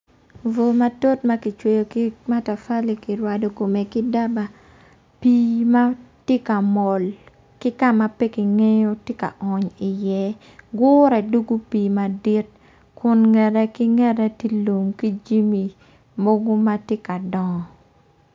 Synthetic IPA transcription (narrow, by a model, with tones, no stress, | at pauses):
vo˨ma˦to˦tma˦ki˨t͡ʃwe˨jo˨ki˦ma˦ta˨fa˦li˨ki˨ɾwa˨do˨ko˨me˨ki˦da˦ba˨ | pi˦ma˦te˦ka˨mɔ˨l | kɪ˦ka˦ma˦pe˦ki˨ŋe˦jo˦te˦ka̰˨ʔɔ˨ɲɪ˨jɛ˦ | ɡʊː˦ɾɛ˨du˦ɡu˦piː˨ma˨di˦t̚ | kʊ˨nŋɛ˨dɛ˦ki˦ŋɛ˦dɛ˦ti˦lo˨mki˦d͡ʒi˦mi˨ | mo˦ɡo˦ma˦te˦ka˨dɔ˨